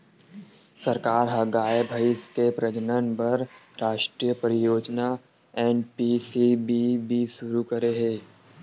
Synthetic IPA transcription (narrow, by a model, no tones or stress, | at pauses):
sɐɾkaːɾɦɐɡaːebʱɐɪskepɾɐd͡ʒənənbɐɾ | ɾaːʃʈɾijəpəɾɪjoːd͡ʒna | eːnpisibibʱiʃʊɾukɐɾeɦẽː